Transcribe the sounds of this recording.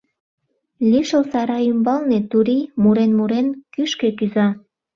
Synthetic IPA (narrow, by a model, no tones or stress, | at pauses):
lʲiʃəlsɑɾɑymbɑlnet̪uɾimuɾenmuɾenkyʃkekyzɑ